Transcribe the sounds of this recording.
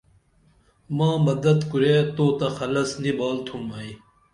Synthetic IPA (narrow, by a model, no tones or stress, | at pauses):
mãːmɐd̪ɐt̪kuɾeːt̪oːt̪ɐxɐlɐsnibaːlt̪ʰumɐi